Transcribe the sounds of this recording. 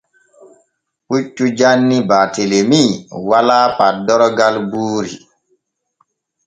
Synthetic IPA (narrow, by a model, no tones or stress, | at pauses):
ʔut͡ʃːud͡ʒanːibaːtelemiwalaːpadɔɾɔɡalbuːɾḭ